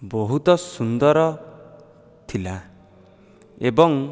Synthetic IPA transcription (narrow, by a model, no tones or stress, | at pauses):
bɔɦut̪ɔsund̪ɔɾɔ | t̪ʰila | ebɔŋ